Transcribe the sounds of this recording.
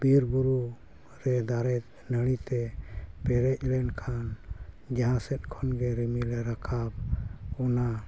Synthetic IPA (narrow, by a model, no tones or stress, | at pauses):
b̥iɾbuɾu | ɾɛd̪aɾɛt̪̚nəɽ̃it̪ɛpɛɾɛc̚ˀlɛnkʰan | d͡ʒaɦãsɛt̪̚kʰɔnɡɛɾimilɛɾakʰab̚ɔna